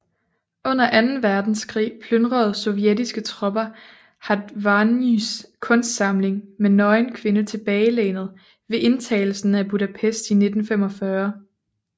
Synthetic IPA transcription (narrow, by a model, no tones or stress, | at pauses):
ɔ̽n̰ɐʔænn̩ʋæɐd̥n̩skʰʁḭːpʰlønd̥ʁɐð̞̩ˠsɔ̽jedisɡ̥ət͡sʰʁɒ̽b̥ɐ | hɑ̈ʋɑniskʰɔ̽nsd̥sɑ̈mle̝ŋmenɒ̽ɪnkʰʋe̝nət͡sʰe̝b̥ɛːɪleːnð̞̩ˠ | ʋe̝ʔe̝nt͡sʰɛ̰ːɪl̩sn̩æb̥uɾæpʰesd̥ine̝d̥n̩fem̰ɒ̽fɶɐ